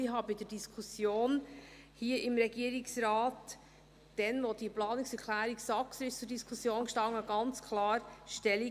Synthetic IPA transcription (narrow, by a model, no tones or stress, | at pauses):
ɪɦɑbɪd̥̪əd̥iskʰusjoːn | hiəʔɪmɾɛɡ̥iːəɾiksɾɑːt | d̥ɛnʋɔd̥iplɑːniksɛɾkʰlæːɾiksɑksɪst͡sudiskʰusjoːnʃtɑŋːəɡ̥ɑnt͡skʰlɑːɾʃtɛli